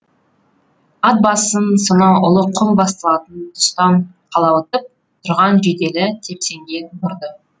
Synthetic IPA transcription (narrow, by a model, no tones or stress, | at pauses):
ɑt̪̚bɑsənsonɑwʊlˠəqʰʊmbɑst̪əlˠɑt̪ənt̪ʰʊ̥st̪ɑnqʰɑlˠɑwət̪əp̚ | t̪ʰʊɾʁɑnʒed̪e̞lɪt̪ʰe̞pse̞ŋɡʲe̞nbʊɾd̪ə